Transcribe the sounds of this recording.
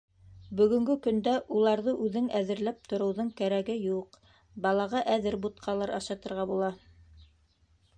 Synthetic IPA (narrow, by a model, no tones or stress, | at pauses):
bɵ̆ɡɵ̆ŋɡɵkɵ̆nd̪æʔulˠɑɾðɤʔʉðɘŋæðɘ̆ɾlæp̚t̪ŏɾɤ̆wðɤɴkæɾæɡɘjuq | bɑlˠɑʁɑʔæðɘɾbut̪̚qʰɑlˠɑɾɑʃɑt̪ɤ̆ɾʁɑbulˠɑ